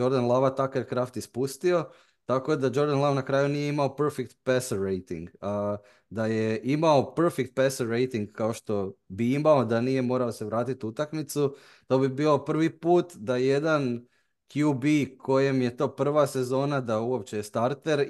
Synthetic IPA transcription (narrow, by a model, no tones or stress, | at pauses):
o̞ɾd̪anlˠaʋat̪akeɾkɾaft̪ispust̪io̞ | t̪ako̞d̪ad͡ʒo̞ɾd̪anlˠaʋnakɾaːjunije̞imao̞pɾfek̚t̪̚pesoɾejt̪ḭŋɡa | d̪aje̞ʔimao̞prfekt̪̚peseɾejt̪iŋɡkao̞ʃt̪o̞biimao̞d̪anije̞mo̞ːɾaose̞ʋɾaːt̪it̪ut̪akmit̪su | t̪o̞bibiːlˠo̞pr̩ʋipuːt̪d̪ajed̪an | kjubikʰo̞je̞mje̞t̪o̞ːpr̩ʋase̞zo̞ːnad̪auo̞pt͡ɕe̞jest̪aɾt̪e̞ɾ